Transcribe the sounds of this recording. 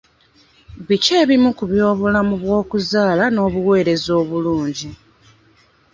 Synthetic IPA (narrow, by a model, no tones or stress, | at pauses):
βice̞ːβimukuβjo̞ːβulamuβwo̞ːkuzaːlano̞ːβuwe̞ːɾe̞zo̞ːβuluːɲɟi